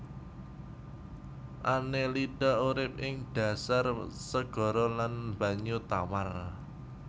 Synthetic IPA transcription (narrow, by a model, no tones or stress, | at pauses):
ʔaneliɖ̥auɾɪp̚ɪŋɖ̥ä̤sarsəɡ̥ɔ̤ɾɔlanmb̥ä̤ɲut̪awar